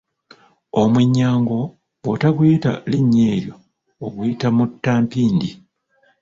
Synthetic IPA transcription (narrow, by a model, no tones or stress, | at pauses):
o̞mwiɲːaːŋɡo̞ | wotaɡwita̰liɲːe̞ːɾjo̞ː | ɡwitamutːaːmpiːndi